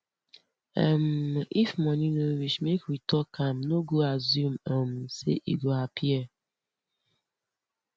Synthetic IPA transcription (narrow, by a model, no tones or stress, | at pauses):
ɛmifmɔnĩnowiʃmekɾitɔkʰãmnoɡoazũmɔm̩sḛʔḭɡoapʰiɛ